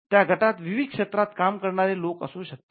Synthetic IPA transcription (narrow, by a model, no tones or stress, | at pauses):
t̪jaɡʱəʈat̪ʋiʋid̪̚kʂet̪ɾat̪kamkəɾɳaɾelokə̰sũːɕək̚t̪e̥